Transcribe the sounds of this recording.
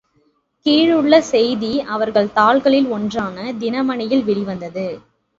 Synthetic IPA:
kiːɻɯɭːɐsɛjðiɐʋɐɾɣɐɭt̪aːɭɣɐɭɪlɔndraːnɐd̪ɪnɐmɐnɪjɪlʋɪɽɪʋɐnd̪ɐðɯ

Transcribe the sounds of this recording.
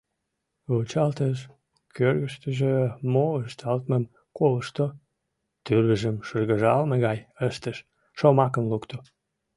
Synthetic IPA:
ot͡ɕɑlt̪əʃ | kørɣəʃt̪əʒemoəʃt̪ɑlt̪məm | koləʃt̪o | t̪yləʒəmʃərɣəʒɑlmeɣɑjəʃt̪əʃ | ʃomɑkənlukt̪o

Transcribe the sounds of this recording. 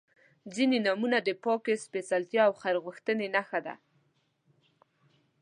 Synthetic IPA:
d͡zinenamunad̪əpɑkespesalt̪jɑawxaɾɣəxt̪ənenaxad̪a̰

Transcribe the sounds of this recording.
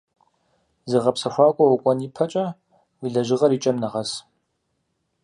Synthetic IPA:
zɨʁɐpsɐxʷaːkʷʼɔwɔkʷʼɔnipʰɐt͡ʃʼɐ | wiɮɐʒɪʁɐɾiːt͡ʃʼɐmnɐʁɐs

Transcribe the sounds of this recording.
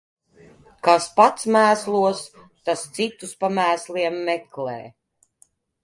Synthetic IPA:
kaspat̪smæːslˠuɔs | t̪ast̪sit̪uspamæːsliɛmːɛklɛ̰ː

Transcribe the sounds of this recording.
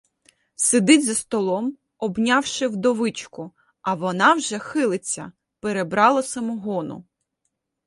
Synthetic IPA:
sed̪ɪtʲzɐst̪ɔlˠɔm | ɔbnʲɑwʃɪwd̪ɔʋɪt͡ʃkʊ | ɐʋɔnɑwʒɛxɪlˠɪt͡sʲːɐ̰ | peɾebɾɑlˠɐsɐmuɦɔnʊ̰

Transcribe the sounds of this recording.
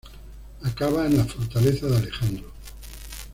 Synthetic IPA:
akaβaenlafoɾt̪aleθaðalexand̪ɾo

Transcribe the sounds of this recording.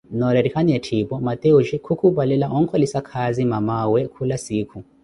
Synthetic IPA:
nɔɾɛɾikʰanijatʰibɔmat̪euʃɛkʰukʰubalɛlaʔɔŋ̩kʰɔlisakʰazimamawɛkʰulasiːkʰu

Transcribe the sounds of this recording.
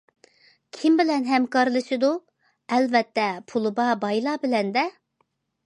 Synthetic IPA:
kʲʰimbɪlɛnɦɛmkɑɾlˠɨsɨd̪u | ɛlvɛt̪ʰːɛpʰulˠɨbɑbɑjlˠɑːbɪlɛnd̪ɛ

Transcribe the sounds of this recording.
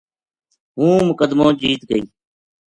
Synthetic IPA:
ɦũːmʊkəd̪mõːt͡ʃiːt̪ɡəiː

